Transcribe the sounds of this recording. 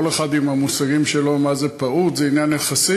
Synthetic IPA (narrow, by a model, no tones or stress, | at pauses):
oleχad̪imhamusaʁimʃelo̞mazepaut̪zeinjanːeχasi